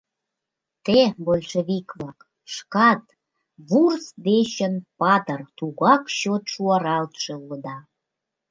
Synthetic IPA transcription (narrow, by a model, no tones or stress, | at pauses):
t̪ebolʲʃeβikβɑk | ʃkɑt̪̚ | βursd̪eɕənpɑt̪ərt̪uɣɑkɕot̪ʃuɑɾɑlt̪ʃeuləd̪ɑ